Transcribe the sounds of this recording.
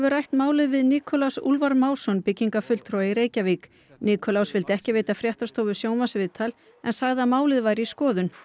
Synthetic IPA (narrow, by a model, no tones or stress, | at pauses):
ɛvʏɾajht̪maːwlɪðvɪðniːkʰɔlawsṵlvaɾmaːwsɔnpɪcːiŋkafʏl̥t̪ʰɾɔwaiɾeːjcavik | niːkʰɔlawsvɪlt̪ɪɛhcɪveːjt̪afɾjɛht̪ast̪owvʏsjoːwmasvɪðt̪ʰal | ɛ̰nsaɣðamaːwlɪðvajɾɪiskɔːðʏn